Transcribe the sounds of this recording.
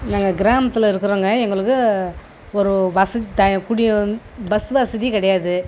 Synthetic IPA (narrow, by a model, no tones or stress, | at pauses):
naːŋɡɐɡɪɾaːmɐt̪ːɪlɐɪɾɯkːɯɾoːŋɡɐɛŋɡɐɭɯkːɯ | ɔɾɯʋɐsɐt̪ɐkʊɽɪj | bɐsʋɐsɐðikɪɽɐjaːðɯ